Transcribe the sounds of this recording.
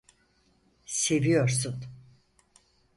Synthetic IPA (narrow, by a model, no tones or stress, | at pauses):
se̞vijo̞ɾsun